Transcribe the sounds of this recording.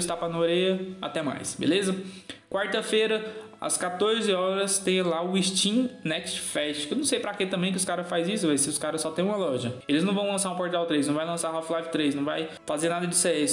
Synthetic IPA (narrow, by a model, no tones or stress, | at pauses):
ɪst̪apɐnoɾejɐa̰t̪ɛma̰jsbḛlezɐ | kwaɾt̪ɐfeɾɐ | ɐ̰skat̪oɾzɪɔɾɐst̪ẽj̃laʊiʃt͡ʃĩnɛkst͡ʃfɛʃt͡ʃkewnɐ̃w̃sejpɾaket̪ɐ̃mbẽj̃k̬ɪʊskaɾɐfazisʊvajsɪʊskaɾɐsːɔt̪ẽj̃ũmɐlɔʒɐelɪznɐ̃w̃vɐ̃w̃lɐ̃saɾũpoɾt̪awt̪ɾejznɐ̃w̃vajlɐ̃saɦɔflajvɪt̪ɾesnɐ̃w̃vaj | fazeɾnad̪ɐd͡ʒɪsɛs